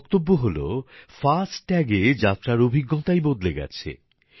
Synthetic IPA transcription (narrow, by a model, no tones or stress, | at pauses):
kt̪obːoɦolo̰fasʈʈːɛɡed͡ʑat̪ːɾaɾobʱiɡːot̪ajbod̪leɡɛ̰t͡ɕʰḛ